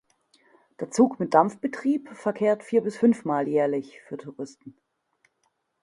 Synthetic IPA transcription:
d̥eːɐt͡suːkmɪt̚d̥amfb̥ətʁ̥iːpfɛɐkʰeːɐtfiːɐbɪsfʏnfmaːljɛːɐlɪçfyːɐtʰʊʁɪstn̩

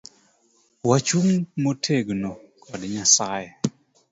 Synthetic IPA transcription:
wat͡ʃuŋmotʰeɡnokʰɔdɲasajɛ

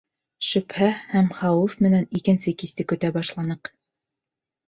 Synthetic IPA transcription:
ʃɵ̆phæhæmχɑwɘfmɘ̆nænikɘ̆nsɘkist̪ɘkɵ̆t̪æbɑʃlˠɑnɤq

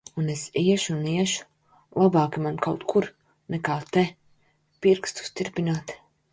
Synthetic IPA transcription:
unesiɛʃuniɛʃu̥ | lˠabaːkimankawt̪kʰuɾ | nɛkaːt̪ɛ | piɾkst̪u̥st̪ʲiɾpʲinaːt̪

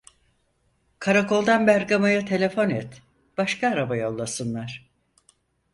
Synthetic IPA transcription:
kʰaɾakʰo̞lˠd̪anbæɾɡamajat̪ʰe̞lʲe̞fo̞nɛt̪ | b̥aʃkʰaːɾabajo̞lˠːasɯnlˠaɾ̥

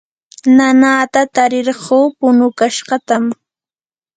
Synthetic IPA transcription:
nanaːt̪at̪aɾɪɾɢoːpʊnʊkaʃɢɑt̪am

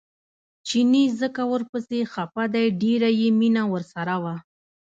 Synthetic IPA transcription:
t͡ʃinizəkawəɾpəsexapad̪ajɖeɾajeminawəɾsaɾawa

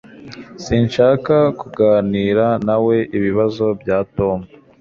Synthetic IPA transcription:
siːnʃaːkakuɡaːniːɾanawe̞ʔiβiβazo̞bjaːto̞ːmɡe

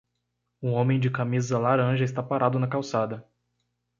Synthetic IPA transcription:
ũõmẽj̃d͡ʒɪkamizɐlaɾɐ̃ʒɐɪst̪apaɾʔad̪ʊnɐkawsad̪ɐ

